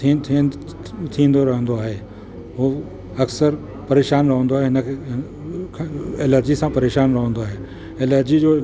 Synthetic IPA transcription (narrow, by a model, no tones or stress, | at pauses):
it̪ʰi | t̪ʰĩːn̆d̪oɾɐɦə̃nd̪oaːɦeː | ɦoː | ɐksəɾ | pɐɾeːʃaːnɾɐɦə̃nd̪oaːɦeɦɪnəkʰeɦ | kʰeləɾd͡ʑisãpɐɾeːʃaːnɾɐɦə̃nd̪oaːɦeː | eləɾd͡ʑid͡ʑoː